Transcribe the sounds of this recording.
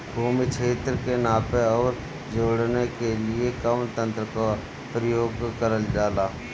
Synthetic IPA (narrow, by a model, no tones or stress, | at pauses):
bʱuːmit͡ʃʰeːt̪ɾəkenaːpeɔːɾ | d͡ʒoːɽnekelɪekəmt̪ə̃nt̪ɾəka | pɾəjoːɡkəɾəld͡ʒaːlaː